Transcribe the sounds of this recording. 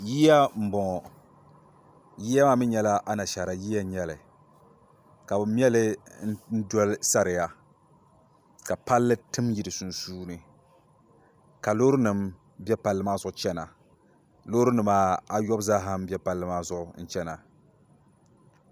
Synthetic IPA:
ji˦ja˦m̩˨bɔ˨ | ji˦ja˦ma˦mɨ˦ɲɛ˦la˦ʔa˦na˨ʃa˨ɾa˨jiː˦ja˦ɲɛ˦lɨ˨ | ka˨bɨ˨m˦ɛ˦lɨ˦n̩˦n̩˦dɔ˦lsa˦ɾɨ˨ja˨ | ka˨pa˦lːɨ˦tɨ˦mji˨dɨ˨su˨nsuː˦nɨ˨ | ka˨lo˦ɾɨ˦nɨ˨m | bɛ˦pa˨lːɨ˦maː˦zʊ˦ʔʊ˦t͡ʃɛ˦na˨ | lo˦ɾɨ˦nɨ˨maː˦a˦jɔ˦bzaː˦ɦa˦m˦bɛ˦pa˨lːɨ˦maː˦zʊ˦ʔʊ˨n̩˦t͡ʃɛ˦na˨

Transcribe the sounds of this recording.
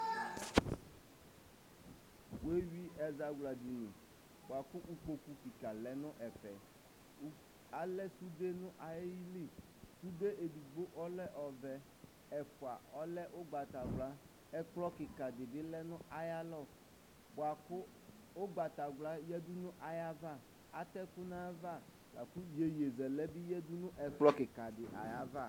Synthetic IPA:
we˦wi˦ɛ˨za˨ɡʷla˨di˨nɪ̰˨ | ba˨kʊ˦ʔu˦ko˨ku˦ki˨ka˨lɛ˨nʊ̃˦ʔɛ˨fɛ˨˦ | a˨lɛ˦su˦de˦nʊ̃˦ʔa˨je˦ji˦li˦˨ | su˦de˦ʔe˨di˨ɡ͡bo˦ʔɔ˦lɛ˦ʔɔ˨vɛ˨ | ɛ˨fʊ˨a̰˨ɔ˦lɛ˦ʔʊ˦ɡ͡ba˨ta˨ɡla˦ | ɛ˦k͡plɔ˦kɪ˨ka˨dɪ˨dɪ˦lɛ˦nʊ̃˦ʔa˨ja˦lɔ˦˨ | bʊ˨a˨kʊ˦ | ʊ˦ɡ͡ba˨ta˨ɡla˦jɛ˦dʊ˦nʊ̃˦ʔa˨ja˦va˦˨ | a˦t̪ɛ˦kʊ˦na˦va˦˨ | la̰˨kʊ˦je˨je˨zɛ˨lɛ˦bɪ˦jɛ˦dʊ˦nʊ̃˦ʔɛ˨k͡plɔ˦kɪ˨ka˨dɪ˨ʔa̰˨ja˦va˦˨

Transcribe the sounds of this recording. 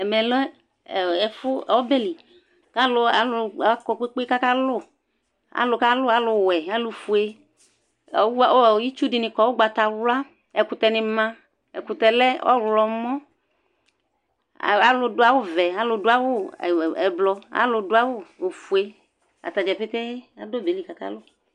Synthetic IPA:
ɛ˨mɛ˨lɛ˦˨ | ɛ˨fʊ˦˨ɔ˦be˦li˨ | ka˦lʊ˨a˨lʊ˨˦kɔ˨k͡pe˦k͡pka˦ka˦lʊ˦˨ | a̰˨lʊ˨ka˦lʊ˦a˦lʊ˨wɛ˨a˦lʊ˨fu˨e˦˨˦ | ji˦t͡ʃu˦di˨nɪ̃˨kɔ˨wo˦ɡ͡ba˨t̪a˨wla˦ | ɛ˨kʊ˨t̪ɛ˨nɪ˨mã˦ | ɛ̰˨kʊ˨t̪ɛ˨lɛ˦ɔ̰˦wlɔ˨mɔ̃˦˨ | a˨lʊ˨dʊ˦a˨wʊ˦vɛ˨a˦lʊ˨dʊ˦a˦wʊ˦˨ɛ˨blɔ˧a̰˨lʊ˨dʊ˦a˦wʊ˦˨fu˨e˦ | a̰˨t̪a˨d͡ʒɛ˨ɸe˦t̪e˦a̰˨do˦be˨li˨ka˦ka̰˦lʊ˦

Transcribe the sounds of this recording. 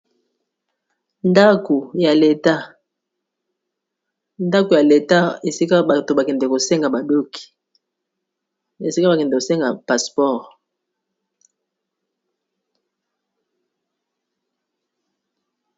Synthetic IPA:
nda˦ko˨ja˨le˨ta˦ | nda˦ko˨ja˨le˨ta˦e˨si˦ka˦ba˨to˨ba˨kɛ˨ndɛ˨ko˨sɛ˦ŋɡa˨ba˨do˦ki̥˨ | e˨si˦ka˦ba˨kɛ˨ndɛ˨ko˨sɛ˦ŋɡa˨pa˨spɔ˦˨ʁ

